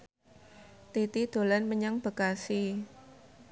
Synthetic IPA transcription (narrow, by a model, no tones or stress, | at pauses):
t̪it̪id̪̥o̤lanməɲaŋb̥ə̤kasi